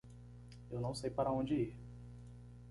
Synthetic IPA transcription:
ewnɐ̃w̃sejpaɾɐõd͡ʒɪiɾ

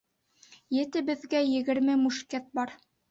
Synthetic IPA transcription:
jɘ̆t̪ɘbɘ̆ðɡæjɘ̆ɡɘ̆ɾmɘmuʃket̪̚bɑɾ

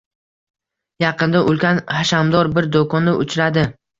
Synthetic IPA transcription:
jɑqɨnd̪aʔʊlˠkʲanhaʃamd̪ɒɾbɪɾd̪okɒnːɪʔʊt͡ʃʰɾad̪ɪ

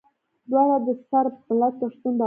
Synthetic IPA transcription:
d̪wɑlad̪əsaɾfəlat̪ːəʂt̪und̪a

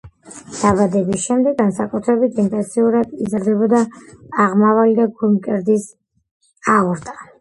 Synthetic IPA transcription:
d̪̥abad̪ɛbisʃɛmd̪ɛɡansakʼut̪ʰɾɛbit̪ʰint̪ʼɛnt̪sʰiuɾad̪izɾd̪ɛbɔd̪aːʁmavalid̪aɡumkʼɛɾd̪is | auɾt̪ʼa

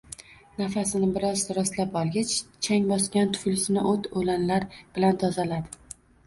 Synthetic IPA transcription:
nafasɪnɪbɪɾɒzɾɒst̪lapɒlˠɡʲat͡ʃt͡ʃʰaŋbɒskʲant̪ʰʊ̥flɪsɪnɪʔot̪ʰolanlaɾb̥ɪlant̪ʰɒzalad̪ɪ

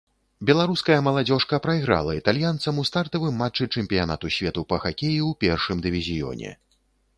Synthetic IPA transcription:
bʲɛlˠaɾuskɐjɐmɐlˠad͡zʲɔʂkɐpɾɐjɣɾa̰lˠɐit̪alʲjant̪sɐmust̪art̪ɐvɨmːat͡ʂːɨt͡ʂɛmʲpʲijana̰t̪usʲvʲɛt̪upɐxakʲejiwpʲɛrʂɨmd̪ɨvʲizʲijɔ̰nʲɛ̰

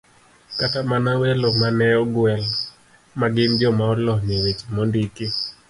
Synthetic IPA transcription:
katamanawelomanɛɔɡwɛl | maɡɪnd͡ʒɔmaɔlɔɲewet͡ʃmɔndiki

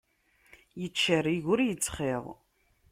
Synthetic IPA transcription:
jət͡ʃːəriʝʊɾjət͡sːχeðˤ

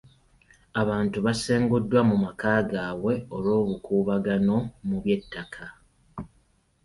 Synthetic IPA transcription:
aβaːntuβase̞ːŋɡudːwamumakaːɡaːɣwe̞olo̞ːβukuːβaɡano̞muβje̞tːakʰa

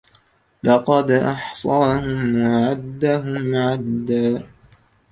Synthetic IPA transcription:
lɑqɑd̪ʔɑħsˤɑːhʊmwaʕad̪ːaɦʊmʕad̪ːaː

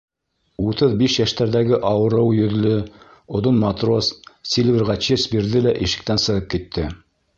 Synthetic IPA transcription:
ut̪ɤðbiʃjæʃt̪æɾðæɡɘʔɑwɤ̆ɾɤwjɵ̆ðlɵ | ŏðonmɑt̪ro̞sːʲilʲvʲiɾʁɑt͡ɕesbiɾðɘlæʔiʃɘ̆k̚t̪ænsɤ̆ʁɤp̚kit̪ʰːɘ

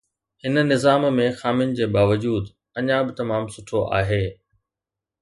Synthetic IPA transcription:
hɪnənɪzaːmmẽxaːmɪnɪ̆d͡ʑeːbaːʋəd͡ʑuːd̪ | ɐɲãbɪt̪ɐmaːmsʊʈʰoʔa̰ːɦeː

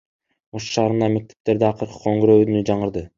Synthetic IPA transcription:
osʃɑːɾɯnd̪ɑme̞k̚t̪e̥p̚t̪e̞ɾd̪eɑqɯɾqɯ̥qʰoŋɡɾøynyd͡ʒɑɴɯɾd̪ɯ

